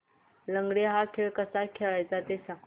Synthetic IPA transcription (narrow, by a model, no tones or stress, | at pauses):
ləŋɡɽeɦakʰeʋkəsakʰeʋajt͡sat̪esã